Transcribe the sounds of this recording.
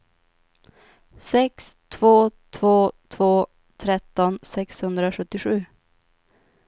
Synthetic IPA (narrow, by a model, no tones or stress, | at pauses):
sɛkst̪ʰvoːt̪ʰvoːt̪ʰvoː | t̪ʰɾɛt̪ːɔnsɛkshɵnd̪ɾaɧɵt̪ːɪɧʉ̟ː